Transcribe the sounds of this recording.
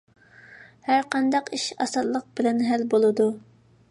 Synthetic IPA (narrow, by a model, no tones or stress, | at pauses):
hæɾqɑnd̪ɑqiʃɑ̰sɑllːˠəq̚b̥ɪlɛnɦælbolˠɨd̪u